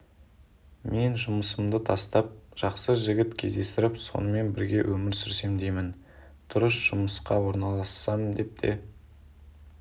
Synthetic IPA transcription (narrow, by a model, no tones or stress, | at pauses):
me̞nʒʊməsəmd̪ət̪ʰɑst̪ɑp̚ʒ̥ɑqsəʒɪɡʲɪt̪kʲʰe̞zd̪e̞st̪ɪɾɪpso̞̰nəme̞nbɪɾɡʲe̞wʔɵmɪɾsʏɾse̞md̪e̞jmɪn | t̪ʰʊɾəsʒ̥ʊməsqɑwo̞ɾnɑlˠɑsːɑmd̪e̞p̚t̪ʰe̞̰